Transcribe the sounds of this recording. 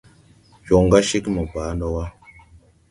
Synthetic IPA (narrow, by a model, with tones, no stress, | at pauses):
jɔ˨ŋɡa˦ʃi˦kmə˨baː˨˦nɔ˦wa˦